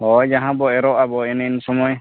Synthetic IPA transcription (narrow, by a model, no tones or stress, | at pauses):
hɔjd͡ʒaɦãbɔɛɾɔʔabɔɛnɛnsɔmɔj